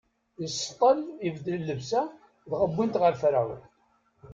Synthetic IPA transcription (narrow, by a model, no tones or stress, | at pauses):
jəst̪ˤːɑlivd̪lilːəvsæ | ðʁəbːint̪ʁəɾfɾaw